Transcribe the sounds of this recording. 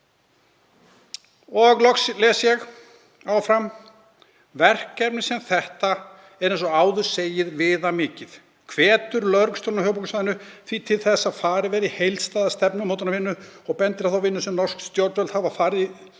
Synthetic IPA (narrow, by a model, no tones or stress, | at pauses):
ɔɣlɔxslɛːsjɛɣ | awfɾam | vɛr̥kːɛpnɪsɛmθɛht̪a | ɛɾɛnsɔaːwðʏ̥seːjɪðvɪːðamɪːcɪð | kʰvɛːt̪ʏɾlœɾkst̪oːnaɦœːɣpuksvajðɪnʏθvit̪ʰɪlθɛsːaðfaːɾɪvɛːɾihejlt̪st̪aːðast̪ɛpnʏmoːwt̪ɪnavɪnːʏɔɣpɛnt̪ɪɾaθawvɪnːʏsɛmnɔr̥sk̪st̪jowɾt̪vɛlt̪havafaːɾɪ